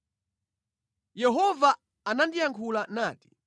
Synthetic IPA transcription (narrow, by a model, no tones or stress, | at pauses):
jɛɦɔvaː | nandijaŋkʰulanaːti̥